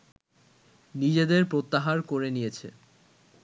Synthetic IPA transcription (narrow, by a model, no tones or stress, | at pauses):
nid͡ʑed̪eɾpɾot̪ːaɦaɾkoɾenijet͡ɕʰḛ